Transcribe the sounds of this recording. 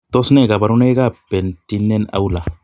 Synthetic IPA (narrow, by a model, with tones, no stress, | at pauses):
t̪o˦sne˦˨ɡa˨ba˨ɾu˦ne˦ɡa˦pe˨nti˦nːe˦na̰˦wla˨